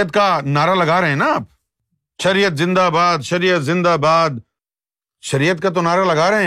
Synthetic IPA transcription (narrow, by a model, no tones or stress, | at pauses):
ət̪kanaːɾalɐɡaːɾeɦɛ̃naaːp̚ | ʃɐɾijət̪zɪ̃nd̪abaːd̪ʃɐɾijət̪zɪ̃nd̪abaːd̪ | ʃɐɾijət̪̚kat̪̬onaːɾalɐɡaːɾeɦɛ̃